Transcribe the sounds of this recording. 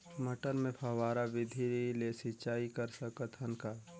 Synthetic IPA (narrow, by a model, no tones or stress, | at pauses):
mɐʈəɾmẽpʰɐʋaːɾaʋɪd̪ʱiilesɪt͡ʃaːikɐɾsəkət̪ɦɐnka